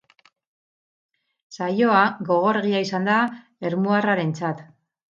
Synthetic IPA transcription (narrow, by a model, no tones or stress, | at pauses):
sajo̞aɣo̞ɣ̞o̞ɾɣiaisand̪a | e̞ɾmuaraɾe̞nt͡sat̪